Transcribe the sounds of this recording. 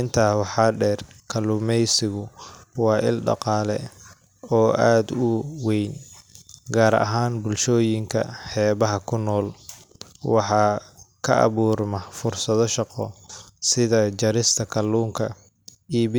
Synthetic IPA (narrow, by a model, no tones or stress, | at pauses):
ɪnt̪ʰaːwɑħɑːɖɛːrkʰɐlːuːmɛjsɪɣʊwɑːʔɪ̰lɖɑ̰qɑːlɛ̰ | ɔːʔaːd̪ʊwɛjn | ɡaːɾɐ̰ɦaːnbʊlʃɔːjɪŋkʰɐ̰ħɛːβɐɦɐkʰʊnɔːl | wɑħɑːkʰɐʔɑ̰βuːrmɐfʊrsɐðɔʃɑqɔsɪðɐd͡ʒɐɾɪst̪ʰɐkʰɐlːuːŋkʰɐ | iː